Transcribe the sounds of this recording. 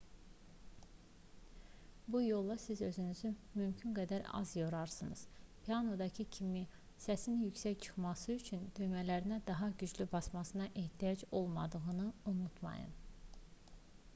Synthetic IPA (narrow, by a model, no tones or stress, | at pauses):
bujo̞lˠːɑsizø̞zynyzymymcʰynɡæd̪æɾɑ̰zjoɾɑɾsɯnɯ̰z̥pʰiɑno̞d̪ɑcʰicʰimi | sæsinjycsæct͡ʃʰɯ̥χmɑsɯyt͡ʃʰynd̪yjmælæɾinæd̪ɑɦɑɟyd͡ʒlybɑsmɑsɯnɑʔe̞ht̪ʰijɑd͡ʒo̞lˠmɑ̰d̪ɯɣɯnɯunut̪ʰmɑ̰jɯ̰n